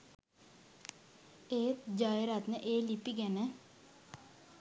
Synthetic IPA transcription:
eːt̪d͡ʒajɾat̪nəʔeːlipiɡɛnə

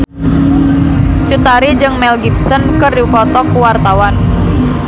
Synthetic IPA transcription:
t͡ʃut̪aɾid͡ʒɨŋmɛlɡipsənkərdiupɔt̪ɔkuwart̪awan

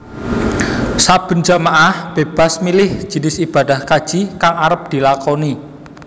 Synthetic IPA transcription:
sab̥ə̤nd͡ʒamaʔahb̥eb̥a̤smilɪhʒ̥i̤nɪsib̥a̤d̪̥a̤hkad̥ʒ̥i̤kaŋaɾəp̚d̪̥i̤lakɔni

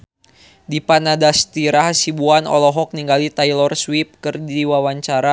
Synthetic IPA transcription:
dipanadast̪iɾaɦasibuanɔ̰lɔɦɔk̚niŋɡalit̪ajlɔrswip̚kɨrdiwawaɲt͡ʃaɾa

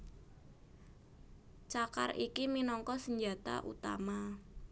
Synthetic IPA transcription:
t͡ʃaka̰rʔikiminɔŋkɔsəɲd͡ʒa̤t̪a̰ʔṵt̪a̰ma

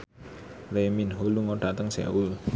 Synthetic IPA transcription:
leminɦoluŋoɖ̥at̪əŋsa̰wul

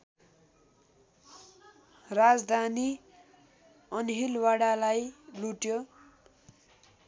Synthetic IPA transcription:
rad͡zd̪ʱani | ʌnɦilwaɽalajluʈjo

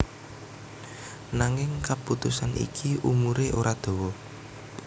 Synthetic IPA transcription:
naŋɪŋkaput̪usanʔḭkʰiʔumuɾeʔoɾad̪̥o̤wɔ

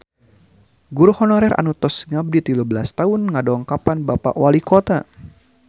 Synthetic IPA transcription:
ɡuɾuhɔnɔɾɛra̰nut̪ɔsŋab̚dit̪ilubəlast̪aunŋadɔŋkapanbapa̰ʔwalikɔt̪a

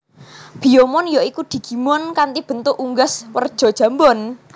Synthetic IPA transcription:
b̥i̤jɔmɔnjɔikud̪̥i̤ɡ̥i̤mɔnkant̪ib̥ə̤nt̪ʊʔuŋɡaswərd̥ʒ̥ɔ̤d̥ʒ̥a̤mbɔn

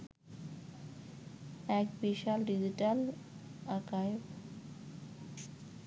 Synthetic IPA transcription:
ɛkbiʃalɖid͡ʑiʈalakajeb

